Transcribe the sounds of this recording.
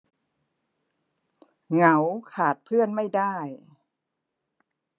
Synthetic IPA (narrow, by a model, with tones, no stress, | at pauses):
ŋa˨˦wkʰaː˨˩t̪̚pʰɯ˥˩ənma˥˩jdaː˥˩j